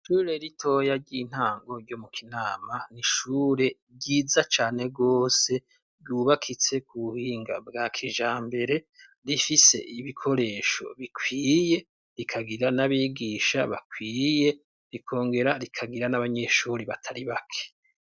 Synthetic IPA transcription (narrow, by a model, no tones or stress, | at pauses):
ʃuːɾe̞ɾitʰo̞jaɾɟin̥haːŋɡo̞ɾɟo̞mukʰinaːmaniʃuːɾe̞ | ɟiːzat͡ʃaːne̞ɡo̞ːse̞ | ɾɟuːβakʰit͡se̞kuβuhiːŋɡa̰bɡaːkʰiʒaːmbe̞ɾe̞ | ɾifise̞̰ʔiβikʰo̞ɾe̞ːʃo̞̰βikʰwiːje̞ | ɾikʰaɡiɾanaβiːɡiːʃa̰βa̰kwiːje̞ | ɾikʰo̞ːŋɡe̞ɾaɾikʰaɡiɾanaβaɲe̞ʃuːɾiβatʰaɾiβakʰe̥